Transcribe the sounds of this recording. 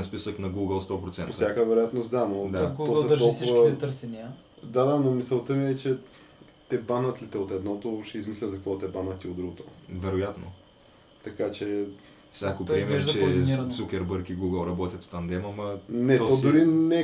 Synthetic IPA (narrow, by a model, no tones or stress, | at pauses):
ɛnspisəknɐɡuɡəlˠst̪ɔpɾot̪sɛnpossʲjakəvɛɾojat̪nost̪d̪anod̪tɡ̪osɛt̪ɔlˠksʊvvət̪ɛəɾsɛniə | d̪ad̪anomisɛlˠt̪əmiɛt͡ʃɛ | t̪ɛbanət̪lit̪ɛot̪ɛd̪nɔt̪oʃɛizmislʲəzɐkvɔt̪ɛbanət̪iod̪ɾuɡot̪o̰vɛɾojat̪no̰ | t̪ɐkat͡ʃɛ | fsʲjakop̪ɾiɛmɛɛd̪ɐt͡ʃɛisukʲɛɾbəɾkiɡuɡəlˠɾɐbɔt̪ʲjət̪t̪amd̪ɛmɐmɐnɛt̪ɔd̪ʊɾinɛ